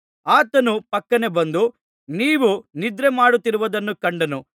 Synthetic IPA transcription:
aːt̪ɐnupɐkːɐne̞bɐnd̪u | niːʋunid̪ɾemaːɽut̪ːiɾuʋɐd̪ɐnːukɐɳɖɐnu

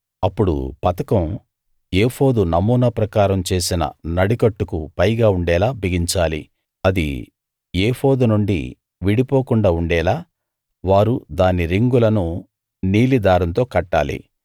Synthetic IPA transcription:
ɐpːuɽṵpɐt̪ɐkɐm | eːfo̞ːd̪unɐmuːnɐpɾɐkaːɾɐmt͡ʃe̞ːsinɐ̰nɐɽikɐʈːukupɐjɡaːuɳɖɛːlaːbʱiɡiɲt͡ʃaːlḭ | ɐd̪ḭ | eːho̞ːd̪unuɳɖḭ | ʋiɽipoːkuɳɖaːuɳɖɛːlaː | ʋaːɾud̪aːniɾiŋɡulɐnu | niːlid̪aːɾɐnt̪o̞ːkɐʈːa̰ːlḭ

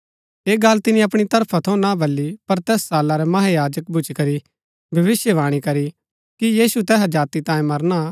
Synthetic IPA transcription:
eːɡɐlt̪ɪnĩɐpɽ̃it̪ɐɾpʰat̪ʰɐ̃nabʱɐlːipɐɾt̪ɛːsːaːlaɾɛmɐɦajaːd͡ʒəkbʱʊt͡ʃkɐɾi | bʱɐʋɪsjəʋaːɽ̃ikɐɾi | kijiːsut̪ɛːɦad͡ʒaːt̪it̪ãːẽmɐɾña

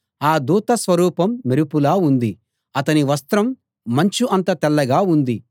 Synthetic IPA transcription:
aːd̪uːt̪ɐsʋɐɾuːpɐmːiɾupulaːund̪i | ɐt̪ɐniʋɐst̪ɾɐmː | ɐɲt͡ʃuʔɐnt̪ɐt̪ɛlːɐɡaːund̪i

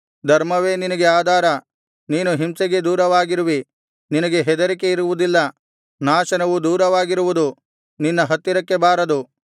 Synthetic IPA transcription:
d̪ʱɐɾmɐʋe̞ːninɐɡeaːd̪ʱaːɾɐ | niːnuɦimsɛɡe̞d̪uːɾɐʋaːɡiɾuʋi | ninɐɡe̞ɦɛd̪ɐɾike̞iɾuʋud̪ilːɐ | naːʃɐnɐʋud̪uːɾɐʋaːɡiɾuʋud̪u | ninːɐɦɐt̪ːiɾɐkːe̞baːɾɐd̪u

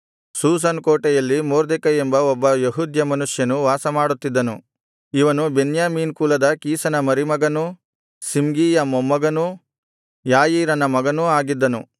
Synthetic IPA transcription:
suːs̬ɐnkoːʈɛjɐlːimoːɾd̪ekɐembɐɔbːɐjeɦud̪ʱjɐmɐnuʂjɐnuʋaːsɐmaːɽut̪ːid̪ːɐnu | iʋɐnube̞njaːmiːnkuːlɐd̪ɐkiːsɐnɐmɐɾimɐɡɐnu | simɡiːjɐmɔmːɐɡɐnu | jaːjiːɾɐnɐmɐɡɐnuaːɡid̪ːɐnu

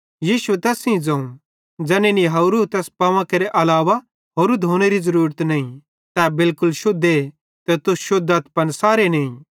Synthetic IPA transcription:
jiːʃuet̪ɛːsĩd͡zɐ̃ːũ | d͡ʒɛːneniɦɐɾut̪ɛːspɐʋãkeɾeʔɐlaːʋa | ɦoːɾud̪ʱoːñeɾizɐɾuːɾət̪nɐːĩ | t̪ɛːbɪlkʊlʃʊd̪e | t̪ɛt̪ʊsʃʊd̪at̪pɐnsaːɾeneĩ

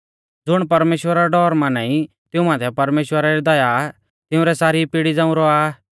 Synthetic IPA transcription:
d͡zʊɽ̃pɐɾmeːʃwəɾaɾɖɔːɾmãnãːĩ | t̪ɪũmãːt̪ʰɛpɐɾmeːʃwəɾaɾid̪ɐja | t̪ɪʊ̃ɾɛsaːɾipɪɽid͡zãːʊ̃ɾɔaː

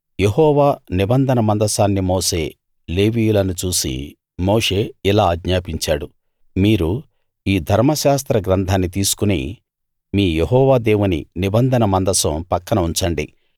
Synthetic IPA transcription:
je̞ɦɔːʋaːnibɐnd̪ʱɐnɐmɐnd̪ɐsaːnːimoːse̞ː | le̞ːʋiːjulɐnut͡ʃuːsḭ | moːʂe̞ːilaːɡɲaːpiɲt͡ʃaːɽu | miːɾu | iːd̪ʱɐɾmɐʃaːs̬t̪ɾɐɡɾɐnd̪ʱaːnːit̪iːsu̥kunḭː | miːje̞ɦɔːʋaːd̪e̞ːwunḭnibɐnd̪ʱɐnɐmɐnd̪ɐsɐmpɐkːɐnɐuɲt͡ʃɐɳɖḭ

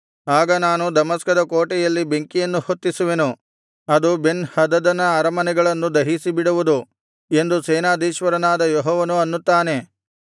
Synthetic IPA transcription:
aːɡɐnaːnud̪ɐmɐskɐd̪ɐkoːʈɛjɐlːibeŋkijɐnːuhot̪ːisuʋenu | ɐd̪ube̞nhɐd̪ɐd̪ɐnɐːɾɐmɐnɛɡɐɭɐnːud̪ɐɦisibiɽuʋud̪u | e̞nd̪usɛːnaːd̪iːʃʋɐɾɐnaːd̪ɐjɔɦɔːʋɐnuɐnːut̪ːaːne̞

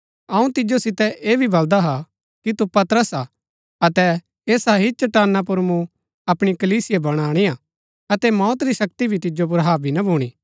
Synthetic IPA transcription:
ɐũt̪ɪd͡ʒosɪt̪ɛʔeːbʱibɐld̪aɦa | kit̪upɐt̪ɾəsa | ɐt̪ɛ | eːsaɦit͡ʃɐʈaːnːap̬ʊɾmũ | ɐpɽ̃ikɐliːsɪjebɐɽ̃aːɽ̃ia | ɐt̪ɛmɔːt̪ɾiʃɐk̚t̪ibʱit̪ɪd͡ʒop̬ʊɾɦaːbʱinɐbʱuːɽ̃iː

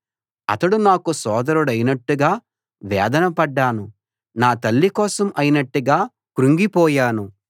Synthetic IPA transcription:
ɐ̰t̪ɐɽunaːkusɔːd̪ɐɾuɽɐjnɐʈːuɡaː | ʋɛːd̪ɐnɐpɐɖːaːnu | naːt̪ɐɭːikɔːsɐmɐjinɐʈːuɡaː | kɾuŋɡipɔːjaːnu

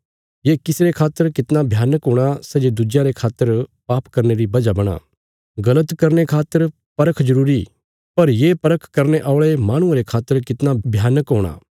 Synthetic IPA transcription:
jekɪsɾekʰaːt̪ːəɾkɪt̪nabʱjaːnəkɦõːɽ̃asɛd͡ʒed̪ʊd͡ʒjãɾekʰaːt̪ːəɾpaːpkɐɾneɾibɐd͡ʒabɐɽ̃a̰ː | ɡɐlət̪kɐɾnekʰaːt̪ːəɾ | pɐɾəkʰd͡ʒɐɾuːɾi | pɐɾjepɐɾəkʰkɐɾneʔaːʊɭemãːɽ̃ʊ̃ãɾekʰaːt̪ːəɾkɪt̪nabʱjaːnəkɦoːɽ̃a̰ː

